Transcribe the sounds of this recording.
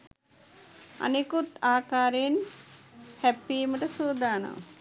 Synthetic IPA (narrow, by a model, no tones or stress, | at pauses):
a̰nikut̪aːkaːɾejn | hæpːijməʈəsuːd̪aːna̰ʋ